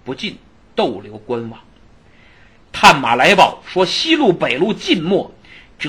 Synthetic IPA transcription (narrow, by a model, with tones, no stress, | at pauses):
pu˧˥t͡ɕi˥˧n | t̪o˥˩ʊljo˧˥ʊkwa˥nwɑ˧˩˦ŋ | t̪ʰa˥˩nma̰˨˩la˧˥ɪpɑ˨˩ʊʂwɔ˥ɕi˥lu˥˩pe˨˩ɪlu˥˧t͡ɕi˥˧nmwɔ˥˩ | ʈ͡ʂɤ˨˩